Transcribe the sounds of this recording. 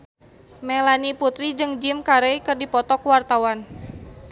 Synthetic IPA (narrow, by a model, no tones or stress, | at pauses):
mɛlaniput̪ɾid͡ʒɨŋd͡ʒimkaɾejkɨrdipɔt̪ɔkwart̪awan